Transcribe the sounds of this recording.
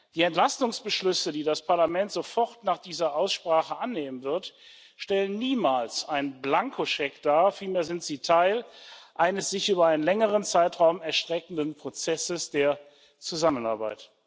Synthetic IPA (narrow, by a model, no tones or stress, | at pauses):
d̥iːɛntl̥astʊŋsb̥əʃlʏsədiːdaspʰaɐlamɛntz̥ofɔʁtnaːχd̥iːzɐʔaʊsʃpʁ̥aːχəʔanːeːmənvɪɐt | ʃtɛlənːiːmaːlsaɪnblaŋkʰoʃɛkd̥aːɐfiːlmeːɐzɪntz̥iːtʰaɪlʔaɪnəsz̥ɪçʔyːbɐaɪnənlɛŋəʁ̞ənt͡saɪtʁaʊmɛɐʃtʁ̥ɛkn̩dənpʁ̥ot͡sɛsəsd̥eːɐ | t͡suzaməna̰ɐba̰ɪt